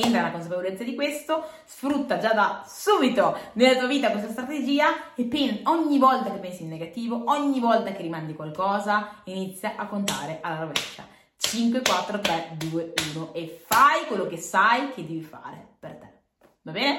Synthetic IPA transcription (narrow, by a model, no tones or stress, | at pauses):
end̪ɾalakons̬apevolet̪sːad̪ikwest̪osfɾut̪ːad͡ʒad̪asuːbit̪onelːat̪uːaviːt̪akwes̬t̪ast̪ɾat̪ed͡ʒiːaepːenɔɲːivɔlt̪akepːɛnsinːeɡat̪iːvoʔɔɲːivɔlt̪akerimand̪ikwalkɔːzainit̪sːjaʔakːont̪a̰ːɾeʔalːaɾovḛʃa̰ | t͡ʃiŋkwekwat̪ːɾot̪ɾɛd̪uːeuːnoʔefajkwelːokesajkʰed̪ːɛːvifa̰ːɾḛpert̪e̥ | vabɛːne